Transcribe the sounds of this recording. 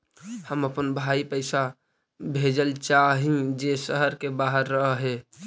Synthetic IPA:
həməpənbʱaipəɪsa | bʱed͡ʒəlt͡ʃaɦĩd͡ʒesəɦəɾkebaɦəɾːəɦəɦe

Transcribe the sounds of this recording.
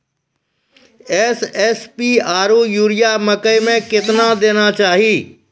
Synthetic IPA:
eːsɛːspiaːɾujuːɾijamɐkəimẽkɪt̪nad̪eːnat͡ʃaːɦiː

